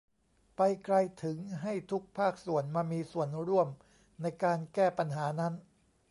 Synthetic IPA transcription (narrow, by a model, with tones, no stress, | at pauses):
pa˧jkɾa˧jt̪ʰɯ˩˦ŋɦa˥˩jt̪ʰu˦˥k̚pʰaː˥˩k̚su˨˩ənmaː˧miː˧su˨˩ənɾu˥˩əm | na˧jkaː˧nkɛː˥˩pa˧nɦaː˩˦na˦˥n